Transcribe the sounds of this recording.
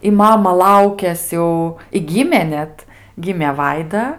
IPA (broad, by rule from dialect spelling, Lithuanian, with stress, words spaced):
ɪ ˈmɑːmɐ ˈlˠɐʊkʲɛs jɛʊ ɪ ˈɡʲiːmʲeː ˈnʲɛt ˈɡʲɪmʲeː ˈʋɐɪdɐ